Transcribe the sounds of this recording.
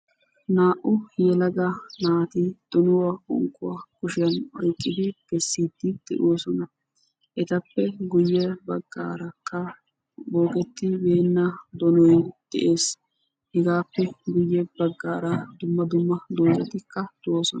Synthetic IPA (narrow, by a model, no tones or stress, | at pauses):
naːʔʊjɛlɐɡanaːt̪id̪̥ɔnʊwaɔ̰ŋkːʊwakʊʃɪjɐnɔjkʼːɪd̪ɪɡ̥ɛsːiːd̪̥ːɪd̪̥ɛ̰ʔoːsɔnɐ | ʔɛt̪ɐpːɛɡʊjːɛbɐɡːa̰ːɾɐkːɐ | boːkɛt̪ːɪbe̞ːnːad̪ɔnɔjd̪̥ɛ̰ʔe̞ːs | hɛɡaːpːɛɡʊjːɛbɐɡːaːɾɐd̪ʊmːɐd̪ʊmːɐd̪oːjɛt̪ɪkːɐd̪̥ʊwoːsɔnɐ